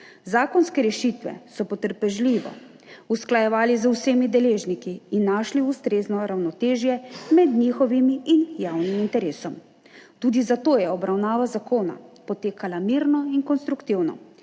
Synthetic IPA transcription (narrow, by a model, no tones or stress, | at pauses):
zaːkɔnskɛɾɛʃit̪ʋɛ̰sɔpɔt̪əɾpɛʒliʋɔ̰ | usklajɛʋaːlizuseːmid̪ɛleːʒnikiːnːaʃliust̪ɾeːznɔɾawnɔt̪eːʒjɛmɛd̪ɲiːxɔʋimiinjawnimint̪ɛɾeːsɔm | t̪uːd̪izat̪oːjɛɔbɾawnaːʋazakoːna̰pɔt̪eːkalamiːɾnɔinkɔnst̪ɾukt̪iwnɔ̰